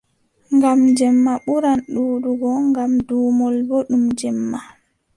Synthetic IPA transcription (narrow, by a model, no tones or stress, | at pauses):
ŋɡamd͡ʒɛmːaɓuɾanɗuːɗuɡɔŋɡamduːmɔlbɔɗumd͡ʒɛmːa